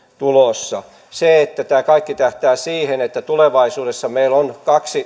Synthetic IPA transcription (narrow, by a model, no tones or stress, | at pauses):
t̪ulosːɑ | seet̪ːæt̪æːkɑikːit̪æht̪æːsiːhenet̪ːæt̪uleʋɑisuːdesːɑmeilonkɑksi